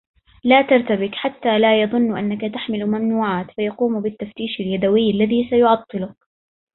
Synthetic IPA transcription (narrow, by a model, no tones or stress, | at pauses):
laːt̪ɑɾˤt̪abɪkħat̪ːaːlaːjɑðˤʊnːʔa̰nːakat̪aħmɪlmamnuːʕaːt̪fajɑquːmbɪt̪ːaft̪iːʃaljad̪awɪjːalːaðiːsajʊʕɑt̪ˤːɨlʊk